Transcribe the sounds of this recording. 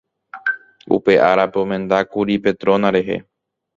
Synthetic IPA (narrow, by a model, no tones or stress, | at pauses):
ṵpe̞ʔaɾapeomẽ̞nd̪akuɾipe̞t̪ɾo̞nãɾe̞ɦe̞̰